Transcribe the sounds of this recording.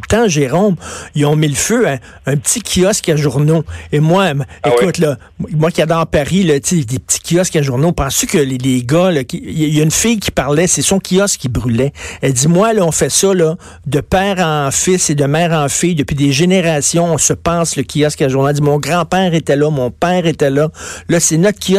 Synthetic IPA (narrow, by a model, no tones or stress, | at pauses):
t̪ãʒeʁɔmiɔ̃miləføɛ̃ | œ̃pətt͡sikʲʰiɔskaʒuʁnoemwaekʊt̪lʌ | mwakʲiad̪ɑːʁpaʁilɔt͡sed̪ep̚ətt͡si̥kʲiɔskaʒuʁnopɑ̃st̪ykʲəleleɡʌlɔkʲijaynfɪjkʲi̥paʁlɛsɛsɔ̃kʲʰiɔskʲːibʁylɛɛld͡z̪imwalɔɔ̃fɛsʌlɔ | d̪əpɛːʁɑ̃fɪsed̪əmɛːʁɑ̃fɪjd̪əpɥ̥id̪eʒeneʁasjɔ̃ɔ̃səpɑ̃ːsləkʲʰiɔskaʒuʁnoɛd͡z̪imɔ̃ɡʁɑ̃pɛːʁet̪ɛlʌmɔ̃pɛːʁet̪ɛlʌlʌsenɔt̪kʰʲi